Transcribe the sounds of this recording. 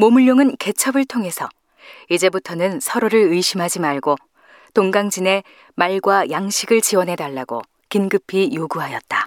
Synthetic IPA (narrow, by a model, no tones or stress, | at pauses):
momuʎːoŋɯnke̞t͡ɕʰʌbɯɭtʰoŋɦe̞sʰʌ | id͡ʑe̞butʰʌnɯnsʰʌɾoɾɯɾɯiɕʰimɦad͡ʑimaɭɡo | toŋɡaŋd͡ʑine̞ | maɭɡwajaŋɕʰiɡɯɭt͡ɕiwʌnɦe̞daɭːaɡo̰ | kinɡɯpʰijoɡuɦajʌt̚t͈ḁ